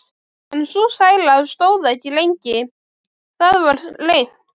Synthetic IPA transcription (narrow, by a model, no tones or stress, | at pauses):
ɛnsusaːjlaðst̪oːwðɛhcːɪlejɲcɪ | θaðvaɾ̥leːjn̥